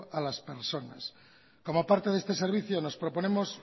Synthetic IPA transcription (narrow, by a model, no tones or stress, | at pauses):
alaspeɾsona̰s | ko̞mopaɾt̪e̞ðe̞st̪e̞seɾβiθjono̞spɾopo̞nemos